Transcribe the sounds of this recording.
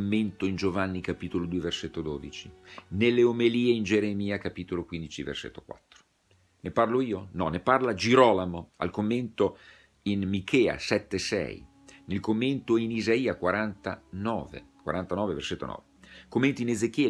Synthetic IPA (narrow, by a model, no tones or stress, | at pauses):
mːent̪oind͡ʒovanːikapiːt̪olod̪uːeverset̪ːod̪oːd̪it͡ʃinelːeomeliːeind͡ʒeɾemiːakapit̪olokwind̪it͡ʃivḛrsḛt̪ːokwa̰t̪ːɾo̥ | neparloiːonɔnːeparlad͡ʒiɾɔːlamoa̰lkomːent̪o | inmikʰɛːa̰sɛt̪ːesɛ̰j | nelkomːent̪oinizaiːakwaɾant̪a̰nɔ̰ːvḛkwa̰ɾant̪anɔːveverset̪ːo̰nɔ̰ːvekomːent̪oinezek̟jɛː